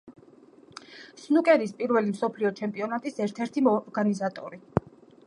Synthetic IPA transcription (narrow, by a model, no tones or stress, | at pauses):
snukʼɛɾispʼiɾvɛlimsɔpʰliɔt͡ʃʰɛmpʼiɔnat̪ʼisɛɾt̪ʰɛɾt̪ʰimɔɾɡanizat̪ʼɔ̰ɾi